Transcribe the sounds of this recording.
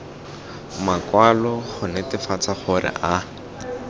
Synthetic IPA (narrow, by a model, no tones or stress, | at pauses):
makwalɔχʊnɛtɪfat͡saχʊrɪ̰ʔa